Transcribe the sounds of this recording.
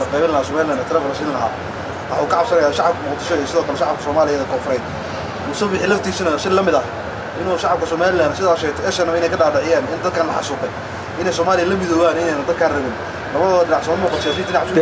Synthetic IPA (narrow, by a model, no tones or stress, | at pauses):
lɐqɛjβɪnlɐhaːsɔːmaːlɪlanɛt̪ʰlɛflɐʃɪnlɐɦa̰ː | wɑħauːkʰɐʕɑbsɐnɐjaːʃɑʕɑb̚kʰɐmʊqd̪ɪʃɔijsɪðɔːkʰɐlɛʃɑʕɑb̚kʰɐ̥sɔːmaːlɪjɐðɐkʰɔːfɾɛjd̪ | mʊsɐbɪħiːlɐft̪ʰiːsɐnɐʃɪlɐmɪðɐh | ʔɪnuʃɑʕɑb̚kʰɐsɔːmaːlɪlaːnsɪðaːʃɛt̪ɛɛʃɐnɐɪnɛjkʰɐɖaːɖɐʕɪjaːnɪnd̪ɐd̪̚kʰaːnlɐħɑ̰suːqɛj | ʔɪnɛjsɔːmaːlɪjɐlɐmɪðɔːwaːnɪnɛːjnɐd̪ɐd̪̚kʰaːrɐβɪn | lɐβɐðɔɖɪnaʕsɔːmuːqɑt̪ʰjaːsiɪnaʕsʊ